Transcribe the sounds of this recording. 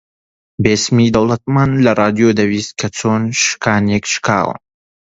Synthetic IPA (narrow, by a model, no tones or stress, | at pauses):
beːsmid̪ɐwlˠɐt̪̚maːnlɐrˤɑːd̪ijod̪ɐwiːst̪̚kʰɐt͡sʰoːnʃɨ̥kʰaːnɛkʃkʰa̰ːwɨ̰n